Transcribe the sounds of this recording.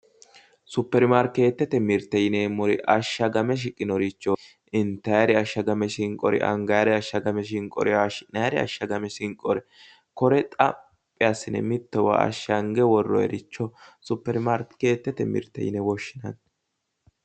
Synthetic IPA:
sʊpːɛɾmaɾkːe̞ːt̪ːɛt̪ɛmɪɾt̪ːɛjɪneːmɔɾɪʔɐʃːɐɡɐmɛʃ̬ɪkʼːɪnɔɾɪt͡ʃːɔ | ʔɪnt̪ːɐjɐɾɪɐʃːɐɡɐmɛʃɪŋkʼɔɾɪ̰ʔɐ̰ŋɡɐjɾɛɐʃːɐɡɐmɛʃ̬ɪŋkʼːɔ̰ɾɪanɐjɾɛɐ̰ʃːɐɡɐmɛsɪŋkʼɔɾɪ | kɔɾɛt̪ʼɐ | pʼːɪjɐsːɪnɛ̰mɪt̪ːɛwa̰ɐ̰ʃːɐŋɡɛwɔrːɔ̰ɛ̰ɾɪt͡ʃːɔsʊpːɛɾmaːɾkke̞ːt̪ːɛt̪ɛmɪ̰ɾt̪ːɛ̰jɪ̰nɛwɔʃːɪnɐ̰n

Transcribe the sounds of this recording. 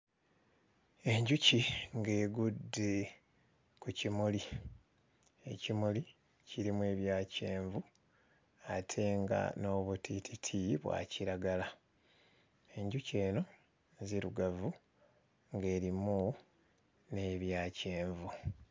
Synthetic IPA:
e̞ɲɟuciŋɡe̞ːɡude | kucimuli | e̞̰cimuli | ciɾimwe̞ːβjaːce̞ːɱvu | atʰe̞ːŋɡa̰no̞ːβutitʰitʰiβwa̰ːciɾaɡala | e̞ɲɟuce̞ːno̞ | ziɾuɡavu | ŋɡe̞ːɾimu | ne̞βjaːce̞ːɱvu

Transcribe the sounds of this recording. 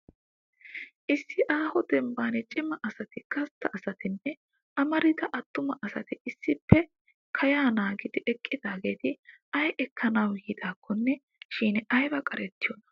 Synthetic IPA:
ʔɪsːɪʔaːhɔd̪ɛmbaːnɛt͡ʃʼɪmɐʔɐsɐt̪ɪkɐst̪ːɐʔɐsɐt̪ɪnːɛ | ɐmɐɾɪd̪ɐʔɐt̪ːʊmɐʔɐsɐt̪ɪɪsːɪpːɛ | kʰɐjaːnaːɡɪd̪ɪʔɛkʼːɪd̪aːɡe̞ːt̪ɪɐjɛkːɐnɐwɡɪːd̪aːkʰːɔnːɛ | ʃiːnɐjbɐkʼɐɾɛt̪ːɪjɔnɐ̥

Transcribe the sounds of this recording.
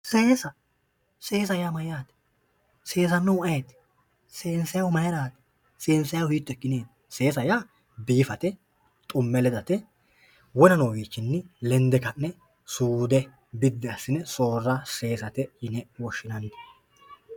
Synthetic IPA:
seːsɐ | seːs̬ɐjaːmɐjaːt̪ɛ̥ | se̞ːs̬ɐnːɐwɐjɛt̪ | seːnsɐjɐwmɐjɛɾaːt̪ɛ̥ | seːnsɐjɐwhiːt̪ːɔɛkːɪneːt̪ | se̞ːs̬ɐjaː | biːfɐt̪ɛ | t̪ʼʊmːɛlɛd̪ɐt̪ɛ | wɔnɐnoːɡiːt͡ʃːɪnːɪlɛnd̪ɛkɐnːɛ | suːd̪ɛ | bɪd̪ːɛɐsːɪnɛso̞ːrːɐse̞ːsɐt̪ɛɪnɛwɔʃːɪnɐnː

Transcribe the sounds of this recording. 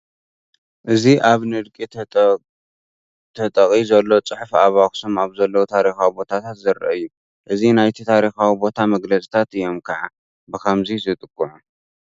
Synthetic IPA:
ʔɨziʔaβnɨd̪kʼi | t̪ʰɐt̪ʼɐkʼizɐlːo̞t͡sʼɨħfaβaksomaβzɐlːɐwut̪ʰaɾixawibo̞t̪ʰat̪ʰat̪zɐɾɐ̰ʔɨjːu | ʔɨzinajt̪ʰit̪ʰaɾixawibo̞t̪ʰamɐɡlɐt͡sʼi̥t̪ʰat̪ɨjo̞mkʰɐʕa | bɨkʰɐmzizɨt̪ʼɨkʼːuʕu

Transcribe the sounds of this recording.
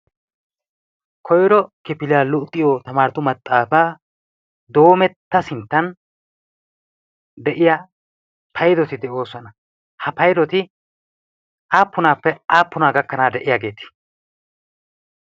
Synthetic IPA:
kʰɔjɾɔkɪpɪlɪjaːlʊt̪ʼːɪjɔt̪ɐmaːɾɪt̪ʊmɐt̪ʼːaːfaː | d̪o̞ːmɛt̪ːɐsɪnt̪ːɐn | d̪ɛʔɪja | pʰɐjd̪ɔt̪ɪd̪ɛʔo̞ːsɔnɐ | hɐpɐjd̪ɔt̪ɪ | ʔaːpːʊnaːpːɛaːpːʊnaːɡɐkːɐnaːd̪ɛʔɪjaːɡe̞ːt̪ɪ̥

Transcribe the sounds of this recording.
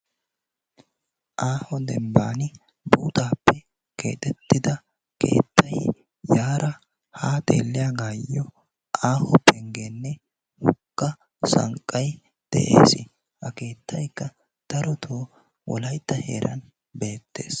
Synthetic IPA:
ʔaːhɔd̪ɛmbaːnɪ | buːt̪aːpːɛ | ke̞ːt̪ʼɛt̪ːɪd̪ɐ | ke̞̰ːt̪ːɐj | jaːɾʔɐ | haːt̪ʼḛːlːɪjaːɡaːjːɔ | ʔaːhɔpɛŋɡeːnːɛ | hʊkːɐ | sɐ̰ŋkʼːɐj | d̪̥ɛ̰ʔḛːsɪ | hɐke̞ːt̪ːɐjkːɐ | d̪̥ɐɾɔt̪ʰoː | wɔ̰lɐjt̪ːɐhe̞̰ːɾʔɐ̰n | be̞ːt̪ːe̞̰ːs

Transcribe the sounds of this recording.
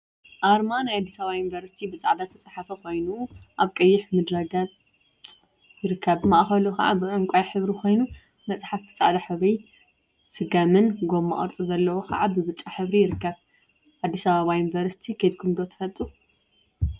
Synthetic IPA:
ʔaɾmanajad̪ːisɐβajunvɐɾsi̥t̪ʰibɨt͡sʼaʕd̪at̪ʰːɐsʼħafɐkʰo̞jnuʔaβkʼɐjːɪħmɨd̪ɾɐɡat͡sʼ | jɪɾɨkʰːɐβmɐʔxɐlukʰɐ̰ʕa̰bɨʔɨŋkʷʼajħɨβɾikʰo̞jnu | mɐt͡sʼħafbɨt͡sʼa̰ʕd̪aħɨβɾi | sɨɡamɨnɡomːa̰ʔʼɐ̰ɾt͡sʼuzɐlːɐwokʰɐ̰ʕabɨβɨt͡ʃʼːaħɨβɾijɪɾɨkːɐβ | ʕad̪ːisɐβaβajunvɐɾsi̥t̪ʰikʰed̪̚kʰɨmd̪ot̪ʰɨfɐlt̪ʼu

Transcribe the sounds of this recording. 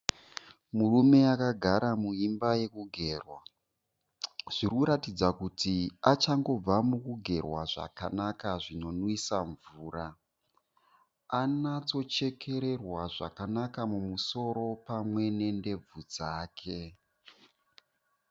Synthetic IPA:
murume̞akaɡʱaɾamuimbaje̞kuɡʱe̞ːrwa | ʐ̥irikuɾatid͡zakutiat͡ʃaŋɡo̞b͡vamukuɡʱe̞rwaʐa̰kanakaʐino̞nwisaɱvuːɾa | anat͡so̞t͡ʃe̞kʰe̞ɾe̞rwaʐa̰kanakamumuso̞ɾo̞pamwe̞ne̞nde̞b͡vud͡zaːkʰe̞

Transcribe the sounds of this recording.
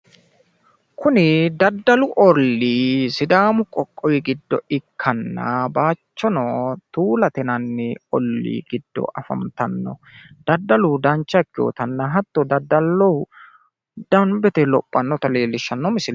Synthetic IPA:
kʰʊnɪd̪ɐd̪ːɐlʊʔɔlːisɪd̪aːmʊkʼɔkʼːɔwɪɡɪd̪ːɔ̰ɪkʰːɐnːɐ̰baːt͡ʃːɔnɔt̪uːlɐt̪ɛnɐnːɪɔlːḭːɡɪd̪̥ːɔ̰ʔɐfɐ̰mt̪ɐnːɔ̰ | d̪̥ɐd̪ːɐlʊd̪ɐnt͡ʃːɐkːɪjo̰ːt̪ɐnːɐɦɐt̪ːɔd̪ɐd̪ːɐlːɔwʊ | d̪̥ɐmbɛt̪ɛlɔpʼːɐnːɔt̪ɐle̞ːlːɪʃːɐnːɔmɪsɪl

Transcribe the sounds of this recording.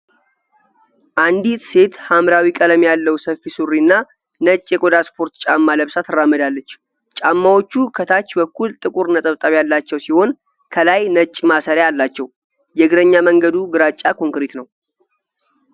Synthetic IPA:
ʔand̪it̪se̞t̪hamɾawikʼələmjalːəwsəfːisurːiɨnːa | nət͡ʃʼːjɛkʼod̪aspʰo̞ɾt̪t͡ʃʼamːaləβsat̪ʰɨrːamːəd̪alːət͡ʃː | t͡ʃʼamːawo̞t͡ʃːukʰət̪ʰat͡ʃːbəkːult̪ʼɨkʼuɾnət̪ʼəβt̪ʼaβjalːat͡ʃːɛwsiho̞n | kʰəlajnət͡ʃʼːmasəɾjajalːat͡ʃːɛw | jɛɡɨɾəɲːaməŋɡəd̪uɡɨɾat͡ʃʼːakʰo̞ŋkɾet̪nəw

